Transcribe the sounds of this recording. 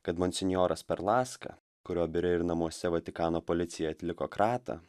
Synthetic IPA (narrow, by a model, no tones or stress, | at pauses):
kɐt̪mɔnʲsʲɛnʲjoːɾɐspʲɛɾlˠɑːskɐ̰ | kʊɾʲoːbʲɪɾʲɪɪɾnɐmuɔsʲɛʋɐt̪ʲɪkɑːnoːpɔlʲɪt̪sʲɪjɛjɐt̪ʲlʲɪkoːkɾɑːt̪ɐ̰